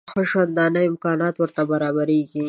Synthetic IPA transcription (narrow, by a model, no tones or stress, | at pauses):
xoʃwand̪ɑnəɪmkɑnɑt̪wəɾt̪abaɾɑbaɾeɡi